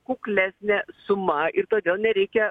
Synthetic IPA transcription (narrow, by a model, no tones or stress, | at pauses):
kuːklʲæːsʲnʲɛsʊmɐʔɪɾt̪oːd̪ʲeːlˠnʲɛɾʲɛɪkʲɛ